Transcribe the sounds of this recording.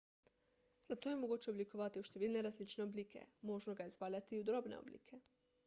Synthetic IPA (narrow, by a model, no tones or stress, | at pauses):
z̥at̪o̞jemoɡuːt͡ɕe̞oblikoʋat̪ioʃt̪eʋilʲneɾazlit͡ʃneoblikʰe̞̰moʒnoɡaezʋaːʎat̪iud̪ɾo̞ːbnḛo̰blḭkʰe̞